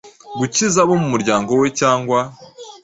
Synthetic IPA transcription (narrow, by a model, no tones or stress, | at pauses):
ɡucizaβo̞mumuɾɟaːŋɡo̞we̞caːŋɡwa